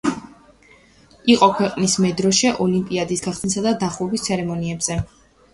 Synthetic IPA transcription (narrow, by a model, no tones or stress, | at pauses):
iqʼɔkʰwɛqʼnismɛd̪ɾɔʃɛʔɔlimpʼiad̪isɡaχsnisad̪ad̪aχlˠɔbist̪sʰɛɾɛmɔniɛbz̥ɛ